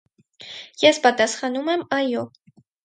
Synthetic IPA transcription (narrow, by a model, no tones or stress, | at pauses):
jɛspɑt̪ɑsχɑnumɛmɑjɔ